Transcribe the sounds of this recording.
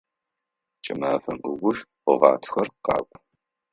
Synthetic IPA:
t͡ʃʼɪ̰maːfɐmʔɨɡʷʊʃqʷʊʁɑ̰ːtʰxɐrqɑ̰ːkʷʼ

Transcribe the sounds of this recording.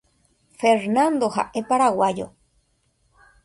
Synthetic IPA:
feɾnand̪oɦa̰ʔepaɾawajo̰

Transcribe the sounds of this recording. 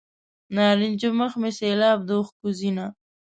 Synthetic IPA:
nɑːɾɪnʲd͡ʒoməxmeselɑːb̚d̪oxkuzina

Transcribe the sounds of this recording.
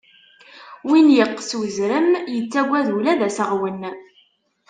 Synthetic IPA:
winjəqːswəzɾəmjət͡sːæɡʷæðulæðæsəʁwən

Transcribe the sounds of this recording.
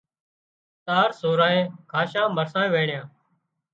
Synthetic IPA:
t̪aːɾsoːɾãːẽːkʰaːʃãːməɾsaːẽːʋẽːɳɪjãː

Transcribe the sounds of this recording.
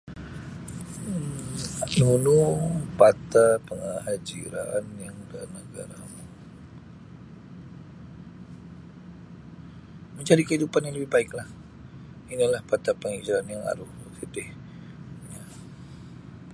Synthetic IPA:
nunupat̪apəŋahad͡ʒiɾa̰njaŋdanəɡa̰ɾamu | məɲt͡ʃaɾikəidupanjaŋləbɪhbaɪklah | inilahpat̪apəŋad͡ʒiɾanjaŋa̰ɾʊhəkidɪh | ja

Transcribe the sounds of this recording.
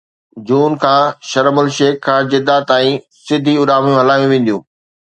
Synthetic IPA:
d͡ʑuːnkʰãːʃɐɾmʊlʃeːkʰːãd͡ʑɪd̪at̪aːĩ | sɪd̪ʱiʊɾaːmjũɦɐlaːjũʋẽːn̆d̪jũː

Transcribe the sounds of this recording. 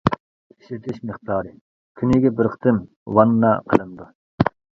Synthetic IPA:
iʃɪt̪ʰɪʃmɨχt̪ɑːɾɨ | kʲʰynɪɡʲɛbɪɾqʰə̥t̪ʰɨm | wɑnːɑqʰəlˠɨnd̪u

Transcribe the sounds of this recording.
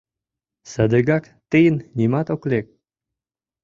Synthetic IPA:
səd̪əɡɑk | t̪əjənnʲimɑt̪oklek̚

